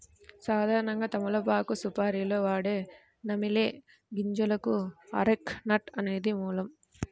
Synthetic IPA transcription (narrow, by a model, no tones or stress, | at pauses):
saːd̪ʱaːɾɐnɐŋɡaːt̪ɐmulɐbaːkusupaːɾilo̞ːʋaːɽeː | nɐmileː | ɡiɲd͡ʒulɐkuɐ̰ɾeknɐʈɐne̞ːd̪imuːlɐm